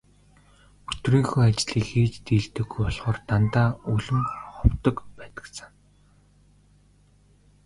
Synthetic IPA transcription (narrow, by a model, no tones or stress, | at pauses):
ɵt̪riːŋxuːat͡ɕɮ̥iːkxeːt͡ɕt̪iːɮt̪ɘ̆ɡujpɔɮʁɔ̆ːrt̪ant̪aːuɮɘ̆mχʊwt̪ɞ̆kpæːt̪ə̥̆kst͡sə̆ŋ